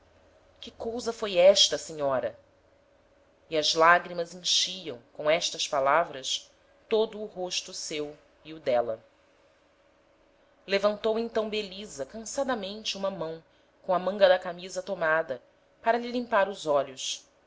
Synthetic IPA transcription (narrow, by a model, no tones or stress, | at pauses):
kɪkowzɐfojɛʃt̪ɐseɲɔɾɐ | iɐzlaɡɾimɐzẽŋʃiɐ̃w̃kõɛʃt̪ɐspalavɾɐs | t̪od̪ʊːɦoʃt̪ʊsew | ɪʊd̪ɛlɐ̰ | levɐ̃nt̪owẽnt̪ɐ̃w̃belizɐkɐ̃sad̪ɐmẽnt͡ʃɪũmɐmɐ̃w̃ | kõw̃ɐmɐ̃ŋɡɐd̪ɐkamizɐt̪omad̪ɐ | paɾɐlilĩmpaɾʊzɔʎʊs